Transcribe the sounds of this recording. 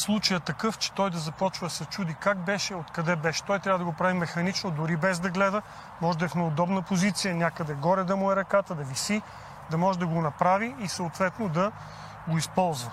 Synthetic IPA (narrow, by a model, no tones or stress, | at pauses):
slˠut͡ʃəjət̪ɐkɤft͡ʃɛ̥t̪ɔjd̪ɐzɐpɔt͡ʃvəd̪ɐsɐt͡ʃud̪ikakbɛʃɛot̪kɐd̪ɛbɛʃɛ̥t̪ɔjt̪ɾʲavəd̪əɡopɾavimɛxɐnit͡ʃnod̪ʊɾibɛzd̪ɐɡlɛd̪ə | mɔʒɛd̪ɐɛfnəod̪ɔbnəpozit̪sijənʲakəd̪ɛɡɔɾɛd̪ɐmʊɛɾɐkat̪əd̪ɐvisi | d̪ɐmɔʒɛd̪ɐɡonɐpɾaviːsəot̪vɛt̪nod̪ɐ | ɡoispɔlˠzvɐ